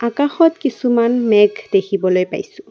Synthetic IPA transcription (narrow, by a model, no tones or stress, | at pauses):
akaxɔtkisumanmɛɡd̥ekʰibɔlojpa̰jsʊ̃